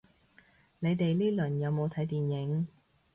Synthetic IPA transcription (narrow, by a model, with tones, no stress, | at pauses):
ne˨˧jt̪e˨jliː˥lɵ˨˩njɐ˨˧wmo˨˧wt̪ʰɐ˨˥jt̪iː˨njɪ˨˥ŋ